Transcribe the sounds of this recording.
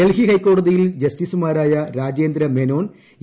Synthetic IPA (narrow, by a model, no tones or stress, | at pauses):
elɦikɐjkːo̞ːɽɐðijild͡ʑɐstiːsumaːɾaːjɐɾaːd͡ʑeːnd̪ɾɐmeno̞ːn